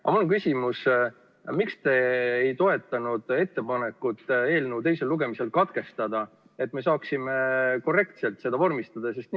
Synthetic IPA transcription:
ɑ̰mulonŋkysʲimus | mikst̪e̞ːjt̪o̞e̞t̪ːˑɑnud̪̥e̞t̪ːe̞pɑne̞kːut̪ːˑe̞ːlnəwt̪e̞jselːuɡ̥e̞mise̞lkɑt̪ke̞st̪ɑd̪̥ɑ | e̞t̪̚ːˑmesɑːksimeko̞re̞kt̪se̞lt̪se̞d̪ɑvo̞rmist̪ɑd̪̥ɑse̞st̪̚

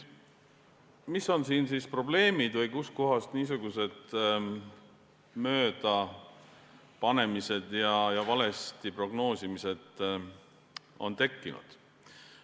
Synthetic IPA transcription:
miso̞nsiːnsispro̞ble̞ːmid̪̥vɤjkusko̞ɦɑst̪niːs̬uɡuse̞d̪̥ | mø̞ːd̪̥ɑ | pɑne̞mise̞d̪̥jɑjɑvɑle̞st̪ipro̞ɡno̞ːsimise̞d̪̥ | o̞nt̪e̞kːinṵd̪̥

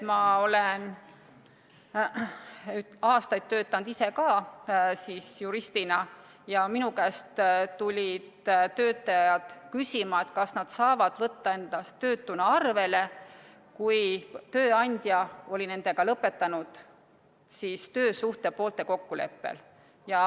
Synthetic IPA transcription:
mɑo̞len | ɑːst̪ɑjd̪̥t̪ːø̞ːt̪ːˑɑnd̪̥ise̞kɑːsiːsjuɾist̪inɑ | jɑminukæːst̪t̪ulʲid̪̥t̪ːø̞ːt̪ːˑɑjɑt̪kysʲimɑe̞t̪kɑsnɑd̪̥sɑːvɑd̪̥vɤt̪ːɑe̞nd̪̥ɑst̪ø̞ːt̪ːunɑɑrve̞le̞ | kujt̪ø̞ːɑnʲd̪̥jɑo̞lʲine̞nd̪̥e̞ɡ̥ɑlɤpːˑe̞t̪ːˑɑnud̪̥ | siːst̪ø̞ːsuht̪e̞po̞ːlt̪e̞ko̞kːule̞̰pːe̞̰l | jɑ

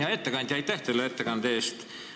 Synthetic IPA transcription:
jɑe̞t̪ːekɑnd̪̥ʲjɑɑjt̪ːˑæht̪elːeet̪ːekɑnd̪eeːst̪

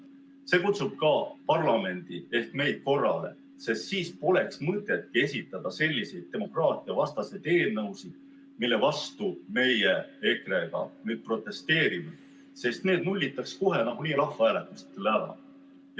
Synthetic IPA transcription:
se̞kut̪sub̥̚kɑpɑrlɑme̞nd̪̥ie̞hk̪me̞jd̪̥̚ko̞rːɑ̰le̞̰ | se̞st̪siːspo̞le̞ksmɤt̪e̞t̪̚kie̞sʲit̪ːˑɑd̪̥ɑse̞lʲːise̞jd̪̥̚t̪ːe̞mo̞krɑːt̪ˑiɑvɑst̪ɑsejd̪e̞ːlnɤwsid̪̥ | milːe̞vɑst̪ume̞jee̞kreɡ̥ɑ̰nyd̪̚pro̞t̪ˑːe̞st̪e̞ːɾime | se̞st̪ne̞ːd̪nulʲːit̪ːˑɑksko̞ɦe̞nɑɡ̥uniːɾɑhvæːlet̪ːˑuse̥t̪ːlævɑ̰

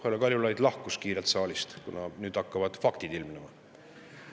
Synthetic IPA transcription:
olekɑlʲjulɑjd̪̥lɑhkuskiːɾelt̪sɑːlist̪kunɑnyːd̪̥ɑkːɑvɑd̪̥fɑkt̪id̪ilmnemɑ

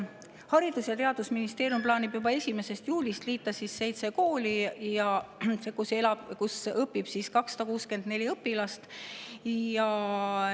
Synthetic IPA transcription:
hɑɾid̪̥usjɑt̪e̞ɑd̪usminist̪eːɾjumplɑːnibjubɑe̞sʲime̞se̞st̪juːlist̪liːt̪ːˑɑsisːe̞jt̪se̞ko̞ːlijɑsekuse̞lɑb̥kusɤpːˑib̥siːskɑksɑ̥d̪ɑkuːske̞nd̪ne̞lʲiɤpːˑilɑst̪ | jɑ

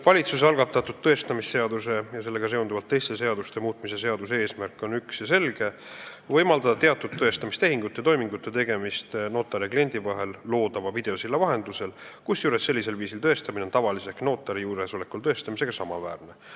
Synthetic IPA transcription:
vɑlʲit̪sus̬eɑlɡ̥ɑt̪ːˑɑt̪ːˑud̪̚t̪ːɤe̞st̪ɑmisːe̞ɑd̪usejɑse̞lːe̞ɡ̥ɑs̬e̞ond̪uvɑlt̪ːe̞jst̪e̞se̞ɑd̪ust̪e̞muːt̪̚ˑmise̞seɑd̪usee̞ːsmærkːˑo̞nyksjɑse̞lɡ̥e̞vɤ̞jmɑld̪ɑd̪̥ɑt̪e̞ɑt̪ːˑud̪̚t̪ːɤ̞est̪ɑmist̪e̞ɦiŋɡ̥ut̪ːˑe̞t̪o̞jmiŋɡut̪ːˑe̞t̪e̞ɡe̞mist̪no̞ːt̪ːˑɑɾeklie̞nʲd̪̥ivɑɦe̞lːo̞ːd̪̥ɑvɑvid̪̥e̞osilːɑvɑɦe̞nd̪luse̞lkusjuːɾe̞sːe̞lːise̞lviːsilt̪ɤest̪ɑmineo̞nt̪ɑvɑlise̞ksno̞ːt̪ːˑɑɾijuːɾeso̞le̞kːult̪ɤ̞est̪ɑmise̞ɡ̥ɑsɑmɑvæːrne

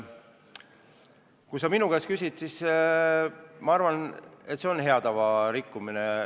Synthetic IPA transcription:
kujsɑminuɡ̥eskysʲit̪sis | mɑɑrvɑne̞t̪ːˑse̞o̞nɦe̞ɑd̪̥ɑvɑɾikːumine

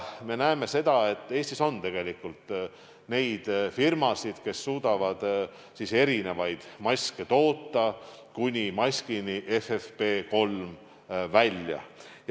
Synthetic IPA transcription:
me̞næeme̞se̞d̪ɑe̞t̪ːˑeːst̪iso̞nt̪e̞ɡ̥e̞likːult̪ | ne̞jd̪̥firmɑsid̪̥ke̞sːuːd̪̥ɑvɑd̪̥ | sise̞ɾine̞vɑjd̪̥mɑsʲket̪o̞ːt̪ːɑkunʲimɑskiniʔefefpe̞ːko̞lm | vælʲjɑ̰

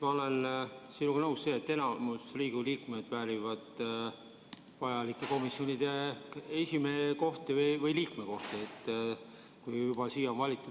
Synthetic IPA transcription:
mɑo̞le̞nsinːuɡɑnɤwsse̞ːet̪ːe̞nɑmusriːɡuliːkme̞d̪̥væːɾʲivɑd̪̥ | vɑjɑlikːˑe̞ko̞misjonid̪̥e̞esimeko̞ht̪evɤjvɤjliːkme̞ko̞ht̪eet̪ː | kujjub̥ɑsiːjonvɑlʲit̪ːˑu

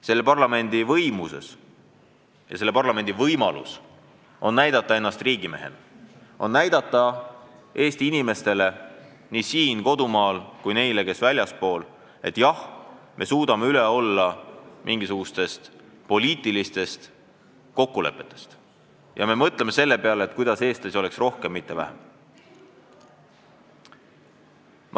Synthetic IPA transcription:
se̞lːe̞pɑrlɑme̞nʲd̪̥ivɤ̞jmuse̞̰s | jɑ̰se̞lːe̞pɑrlɑme̞nd̪̥ivɤjmɑlṵs | o̞nnæjd̪̥ɑt̪ːˑɑe̞nːɑst̪riːɡ̥ime̞̰ɦḛn | o̞̰nːæjd̪̥ɑt̪ˑːɑ | e̞ːst̪iinime̞st̪e̞le̞ | niːsiːnko̞d̪umɑːlkujne̞jleke̞svælʲjɑspo̞ːl | e̞̰t̪ːˑjɑhmʔe̞suːd̪̥ɑme̞yleo̞lːɑmʔiŋɡ̥isuɡ̥ust̪e̞st̪ | po̞lʲiːt̪ːˑilist̪e̞st̪ | ko̞kːule̞̰pːˑe̞t̪ˑːe̞̥st̪ | jɑ̰me̞mɤt̪ːˑle̞mese̞lːe̞pe̞ɑleet̪̚ˑkujd̪ɑse̞ːst̪eso̞le̞ksro̞hke̞mːit̪ːe̞væ̰hḛm

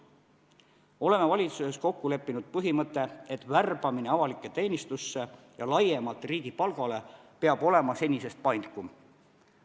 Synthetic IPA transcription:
o̞le̞mevɑlʲit̪suse̞sko̞kːule̞pːˑinud̪̥̚pɤɦimɤt̪ːˑe̞et̪ːˑværb̥ɑmine̞ɑvɑlikːˑe̞t̪e̞ːnʲist̪usːe̞ | jɑlɑjemɑlt̪riːɡ̥ipɑlɡ̥ɑle̞pe̞ɑbo̞le̞mɑse̞nʲise̞st̪̚pɑjnkum

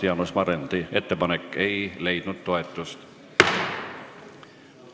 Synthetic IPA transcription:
eɑnusmɑɾend̪̥ie̞t̪ːe̞pɑnekːe̞jle̞jd̪̥nud̪̥t̪o̞e̞t̪ːˑust̪

